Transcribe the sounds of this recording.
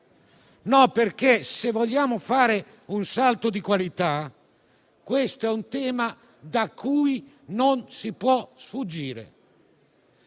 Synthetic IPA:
nɔperk̟esevːɔʎːaːmʊfaːɾe | unsalt̪od̪ikwalit̪a | kwest̪oɛunt̪ɛːma | d̪akʰːuːj | nonsipwɔsfud͡ʒːiːɾḛ

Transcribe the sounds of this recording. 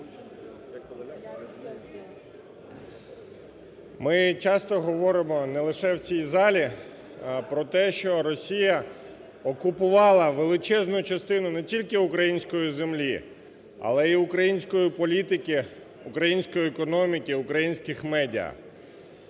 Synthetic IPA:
mɪt͡ʃɑst̪ɔɦɔʋɔɾɪmɔnɛlˠɪʃɛwt͡sʲijzɑlʲi | pɾɔt̪ɛʃt͡ʃɔɾɔsʲijɐ | ɔkʊpʊʋɑlˠɐʋelˠɪt͡ʃɛznʊt͡ʃɐst̪ɪnʊnɛtʲilʲkɪʊkɾɐjinʲsʲkɔjizemlʲi | ɐ̰lˠɛiʊkɾɐjinʲsʲkɔjipɔlʲit̪ɪkʲɪ | ʊkɾɐjinʲsʲkɔjiɛkɔnɔmʲikʲɪʊkɾɐjinʲsʲkɪxmɛdʲiɐ̰

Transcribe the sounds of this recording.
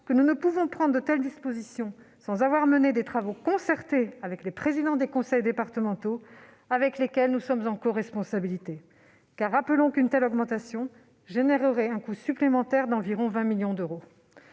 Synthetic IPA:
kənunəpuvɔ̃pχɑ̃d̪ʁd̪ət̪ɛld̪ispozisjɔ̃sɑ̃zavwaʁməned̪et̪χavokɔ̃sɛʁt̪eavɛklepχezid̪ɑ̃d̪ekɔ̃sɛjd̪epaʁt̪əmɑ̃t̪o | avɛklekʲɛlnusɔmzɑ̃kɔʁɛspɔ̃sabilit̪e | kaʁːapəlɔ̃kynt̪ɛlɔɡmɑ̃t̪asjɔ̃ | ʒeneʁəʁɛɛ̃kusyplemɑ̃t̪ɛʁd̪ɑ̃viʁɔ̃vɛ̃miljɔ̃d̪øʁo

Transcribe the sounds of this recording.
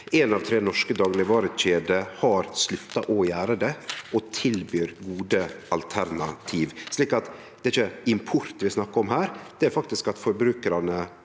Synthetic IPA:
enɑːʋt̪ʰɾeːnɔʂkəd̪ɑːɡlɪʋɑːɾəʃeːd̪əhɑɾslʉt̪ːɑʔɔjæːɾəd̪ɛɔt̪ʰɪlbyːɾɡuːd̪əʔɑlt̪ʰæɾnɑt̪ʰiːʋʂɭiːkɑt̪ | d̪ɛæɪçəɪmpʰʊɾt̪ʋɪsnɑkːəɔmɦæːɾd̪̥ɛæɾfɑk̚t̪ɪskɑt̪fɔɾbɾʉːkəɾɑnə

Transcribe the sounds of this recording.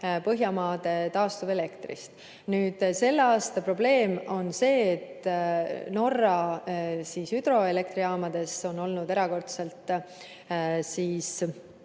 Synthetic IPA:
pɤɦjɑmɑːd̪̥e̞t̪ɑːst̪uve̞le̞kt̪rḭst̪ | nyːd̪̥se̞lːeɑːst̪ɑpro̞b̥le̞ːmo̞nse̞ːt̪ː | no̞rːɑsiːsyd̪ɾo̞e̞le̞k̚t̪ɾiɑːmɑd̪̥e̞so̞no̞lnud̪e̞ɾɑko̞rt̪se̞lt̪ːˑ | siːs

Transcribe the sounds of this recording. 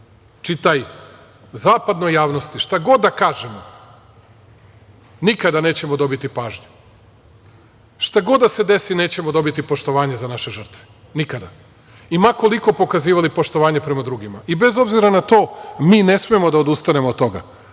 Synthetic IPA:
t͡ʃit̪aj | zaːpad̪no̞jːaːʋno̞st̪iʃt̪aɡo̞d̪ːakaːʒemo | nikad̪aneːt͡ɕe̞mod̪o̞bit̪ipaːʒɲu | ʃt̪aɡo̞d̪ːase̞d̪e̞sine̞ːt͡ɕe̞mod̪o̞bit̪ipo̞ʃt̪o̞ʋaːɲezanaʃe̞ʒər̩t̪ʋe̥ | nikad̪a | imako̞liko̞po̞kaziːʋalipo̞ʃt̪oʋaːɲepɾe̞mad̪ɾuɡimaʔibe̞zo̞bziɾanat̪o̞ːmiːne̞smiemo̞d̪aod̪ust̪ane̞moːt̪ːo̞ɡa̰

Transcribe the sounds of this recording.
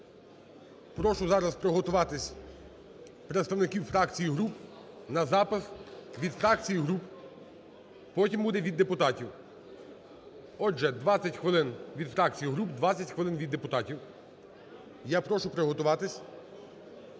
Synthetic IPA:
pɾɔʃʊzɑɾɐspɾɔɦɔt̪ʊʋɑt̪ɪsʲ | pɾet̪st̪ɐwnɪkʲiwfɾɑkt͡sʲijiɦɾup | nɐzɑpɪsʋʲid̪fɾɑk̚t͡sʲijiɦɾup | pɔtʲimbud̪ɛʋʲid̪ːepʊt̪ɑtʲiw | ɔd͡ʒɛd̪ʋɑt͡sʲːɐtʲxʋɪlˠɪnʋʲid̪fɾɑk̚t͡sʲijiɦɾupd̪ʋɑt͡sʲːɐtʲxʋelˠɪnʋʲid̪ːepʊt̪ɑtʲiw | japɾɔʃʊpɾeɦɔt̪ʊʋɑt̪ɪsʲ

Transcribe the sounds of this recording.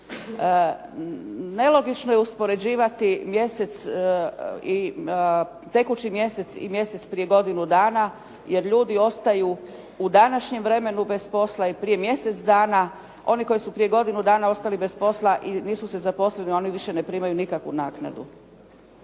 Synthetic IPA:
ne̞lˠo̞ɡit͡ʃno̞jeuspo̞ɾe̞d͡ʑiːʋat̪imje̞se̞t̪s | i | t̪e̞kut͡ʃimje̞se̞t̪sḭmje̞se̞t̪spɾije̞ɡo̞d̪inud̪aːna | je̞ɾʎuːd̪io̞st̪aju | ud̪anaʃɲe̞mʋɾe̞me̞nube̞spo̞slˠaipɾije̞mje̞se̞t̪sd̪aːna | o̞niko̞jisupɾije̞ɡo̞d̪inud̪aːnao̞st̪alibe̞spo̞slˠaʔiniːsusezapo̞slenio̞niʋiʃe̞ne̞pɾiːmajunikakʋunaːkna̰d̪ṵ

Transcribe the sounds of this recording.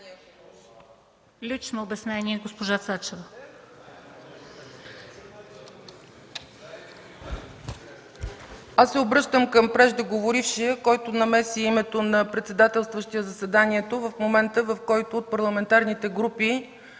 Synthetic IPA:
lʲit͡ʃnoːbɛsnɛnʲiɛɡospoʒasat͡ʃɛvə | asːɛobɾɤʃt̪əmkəmpɾɛʒd̪əɡovoɾifʃiəkɔjt̪onɐmɛsiimɛt̪onɐpɾɛt̪sɛd̪at̪ɛlˠst̪vəʃt̪iəzəsɛd̪aniɛt̪ovəfmomɛnt̪əvəfkɔjt̪oːt̪̚pɐɾlˠɐmɛnt̪aɾnit̪ɛɡɾupi

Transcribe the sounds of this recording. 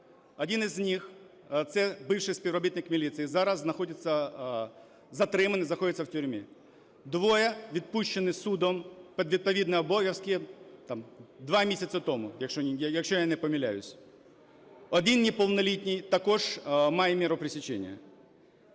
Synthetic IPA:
ɔdʲinɪzʲnʲix | t̪sɛbɪwʂɪjsʲpʲiwrɔbʲit̪nɪkmʲilʲit̪sɨjizaɾɐzːnɐxɔdʲɪt̪sːɐ | zɐt̪ɾɪmɐnɪznɐxɔdʲɪt̪sʲːɐwtʲʊɾʲmʲi | d̪ʋojɛʋʲid̪̚puʃt͡ʃːɪnɪsud̪ɔmpɛd̪ʋʲid̪̚pɐʋʲid̪nɐɔbɔjɐwskʲit̪amd̪ʋamʲisʲɐt̪sɐt̪ɔmʊjɐkʃɔjɐkʃt͡ʃɔjanɛpɔmʲilʲa̰jʊsʲ | ɔd̪ʲinnʲipɔlˠnɐlʲitʲnʲijt̪ɐkɔʐmajɛmʲiɾʊpɾɪsʲit͡ʃḛnʲɪ̰jɐ̰

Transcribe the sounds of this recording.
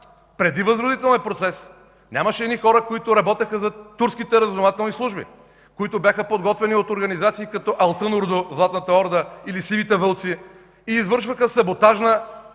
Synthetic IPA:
pɾɛd̪ivɐzɾod̪it̪ɛlˠnʲɛpɾot̪sɛs | nʲamɐʃɛd̪nixɔɾəkoit̪ʊɾɐbɔt̪əxəzɐt̪uɾskit̪ɛɾəznovat̪ɛlˠnislˠuʒbḭ | koit̪objaxəpod̪ɡɔt̪vɛniot̪oɾɡɐnizat̪siːkɐt̪ɔʔɐlˠt̪ənʊɾd̪ozlˠat̪nət̪ɐɔɾd̪əilisivit̪ɛvɤlˠt̪si | iːzvɤɾʃvəxəsɐbot̪aʒnə

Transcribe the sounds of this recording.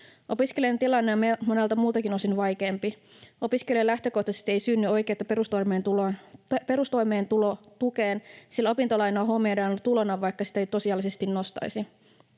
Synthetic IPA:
ʔo̞piskeliɑnt̪ilɑnːeɑmmonelt̪ɑmuːt̪ɑkinosinʋɑjk̟e̞ːmpi | o̞piskelielæht̪ø̞ko̞ht̪ɑse̥st̪e̞ijsyːnːyo̞ik̟eːt̪ːɑpeɾust̪ojmeːnt̪ulope̞ɾust̪o̞jmeːnt̪ulo | t̪ukeːnsilo̞pint̪olɑjnoɑːɦo̞mːeːdɑnt̪ulonɑʋɑjkːɑsi̥t̪æejt̪osiɑlːisest̪innost̪ɑ̰jisi

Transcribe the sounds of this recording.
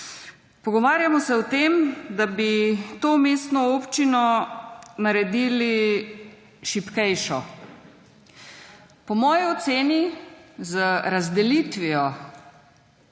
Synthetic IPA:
pɔɡɔʋaːɾjamɔsɛwt̪eːmd̪abit̪oːmeːst̪nɔopt͡ʃinɔ | naɾɛd̪iːli | ʃipkɛjʃɔ | pɔmɔːjiɔt̪seːnizəɾazd̪ɛlit̪ʋiɔ

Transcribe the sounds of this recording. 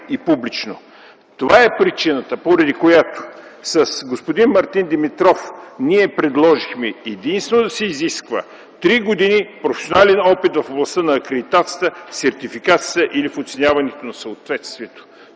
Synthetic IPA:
ipublit͡ʃno | t̪ovaɛpɾit͡ʃinət̪əpoɾɐd̪ikojat̪o̥sɐsɡospod̪inmɐɾt̪ind̪ɛmit̪ɾɔfniɛpɾɛd̪lˠɔʒixmɛɛd̪inst̪vɛnod̪ɐsɛiziskvə̰ | t̪ɾiɡod̪inipɾofɛ̥sionalɛnɔpit̪vɐfoblˠɐst̪ənɐːkɾɛd̪it̪at̪sijət̪əsɛɾt̪ifikat̪siət̪əʔilifot̪sɛnʲavɐnɛt̪onɐsəot̪vɛt̪st̪viɛt̪o̥

